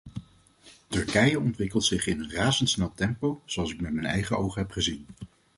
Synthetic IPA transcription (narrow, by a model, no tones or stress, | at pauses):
tɵɹkɛjəɔntʋɪkəlˠtsɪχɪnənraːzəntsnɛlˠtɛmpowzoɑlˠsɪk̚mɛtmɛnɛ̰jχəowχəɦɛpχəzin